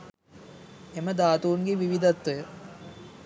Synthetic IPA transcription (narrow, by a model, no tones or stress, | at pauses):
emɐd̪aːt̪uːŋɡeʋiʋid̪ɐt̪ːojə